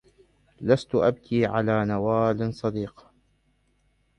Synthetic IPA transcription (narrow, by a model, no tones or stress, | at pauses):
last̪ʊʔab̚kʰiːʕa̰laːnawaːlsˤɑd̪iːq